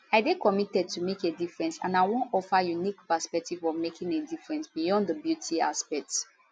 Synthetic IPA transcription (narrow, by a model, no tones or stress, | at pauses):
aɪdekɔmitɛd̚tʰumekedifɹɛ̃nsã̰naɪwɔ̃nɔfajunikpəspɛk̚tivɔvmekʰĩŋedifɹɛ̃nsbijɔ̃ndəbjutʰiaspɛk̚t